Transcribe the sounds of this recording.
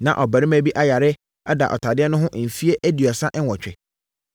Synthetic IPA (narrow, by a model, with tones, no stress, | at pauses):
nã̰˨ʔɔ˨bæ˨ɾɪ˦mæ˦bi˦ʔa˦ja˨ɾɪ˦ | a˦da̰˨ʔɔ̰˨tʰa˨dɪ˦ɛ˦nʊ̃˦ɦʊ̃˦ʔm̩˨fi˦e˦ʔæ˦di˨ɔ˨sa˦ʔwɔ˨t͡ɕᶣɪ̰˨